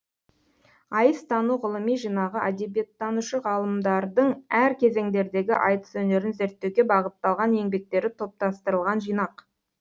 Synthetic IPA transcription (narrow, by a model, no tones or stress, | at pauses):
ɑjəst̪ʰɑnuʁʊlˠəmijʒijnɑʁəʔæd̪e̞bijet̪ʰːɑnuʃəʁɑlˠəmd̪ɑɾd̪əɴæɾkʲʰe̞ze̞ŋd̪e̞ɾd̪e̞ɡʲɪʔɑjt̪ə̥sɵne̞ɾɪnze̞ɾt̪ːe̞wɡʲe̞bɑʁət̪ːɑlˠʁɑne̞ŋbe̞k̚t̪e̞ɾɪt̪ʰo̞p̚t̪ɑst̪əɾəlˠʁɑnʒijnɑq